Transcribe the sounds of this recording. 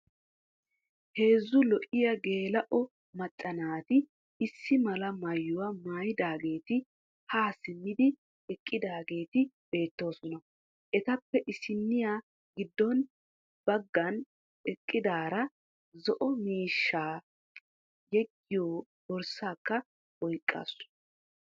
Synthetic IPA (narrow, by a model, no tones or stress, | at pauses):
he̞ːzːʊlɔʔɪjɐɡe̞ːlɐʔɔ | mɐt̪ʼːɐnaːt̪ɪ | ɪsːɪmɐlɐmɐjːʊwɐmaːjɪd̪aːɡe̞ːt̪ɪ | haːsɪmːɪd̪ɪ | ɛkʼːɪd̪aːɡe̞ːt̪ɪ | b̥e̞ːt̪ːo̞ːsɔnɐ | ʔɛt̪ɐpːɛʔɪsɪnːɪjaː | ɡɪd̪ːɔn | b̥ɐɡːɐn | ɛkʼːɪd̪aːɾɐ | zɔʔɔmiːʃːaː | jɛɡːɪjoː | b̥ɔɾsaːkːɐ | ɔjkʼːa̰ːsːʊ̥